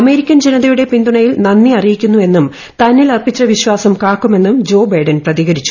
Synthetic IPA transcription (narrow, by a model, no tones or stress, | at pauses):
ɐme̞ːɾikʲːɐnd͡ʑenɐðɐjuɽe̞pind̪uɳɐjilnɐnːiɐrijikʲːunːue̞nːum | t̪ɐnːilɐrpːit͡ɕːɐʋiɕwaːsɐmkaːkːume̞nːumd͡ʑo̞ːbɐjɖɐnprɐðiɣɐɾit͡ɕːu̥